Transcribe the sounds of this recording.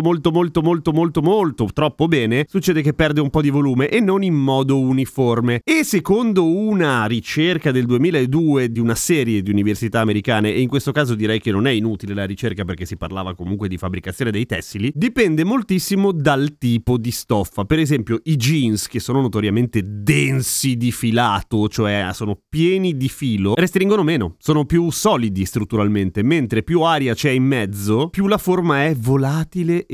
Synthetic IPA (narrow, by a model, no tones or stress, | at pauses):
molt̪omolt̪omolt̪omolt̪omolt̪ot̪ɾɔpːobɛːnesut͡ʃːɛːd̪ekepːɛrd̪eumpɔd̪ivoluːmeʔenːonimːɔːd̪ouniformeesːekond̪ounaɾit͡ʃerkad̪eld̪uemiːlaed̪ːuːed̪iunasɛːɾjed̪iuniversit̪aːmeɾikaːneʔeiŋkwest̪okaːzod̪iɾɛjkenːonɛinuːt̪ilelaɾit͡ʃerkaperk̟esipa̰rlaːvakomuŋkwed̪ifabːɾikat̪sjoːned̪ejt̪ɛsːilid̪ipɛnd̪emolt̪isːimod̪alt̪iːpod̪ist̪ɔfːapeɾezɛmpjoid͡ʒinsk̟esːoːnonot̪oɾjament̪ed̪ɛnsid̪ifilaːt̪ot͡ʃoɛsoːnopjɛːnid̪ifiːlorest̪ɾiŋɡonomeːnosoːnopjusɔːlid̪ist̪ɾut̪ːuɾalment̪ement̪ɾepjuaːɾjat͡ʃɛimːɛd̪zːopjulaformaɛvolaːt̪ile